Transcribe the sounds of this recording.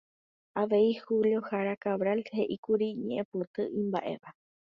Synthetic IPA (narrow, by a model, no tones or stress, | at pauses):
aʋe̞ihuljo̞haɾakaβɾalhe̞ʔikuɾiɲẽʔẽpot̪ɨʔĩmba̰ʔe̞̰ʋa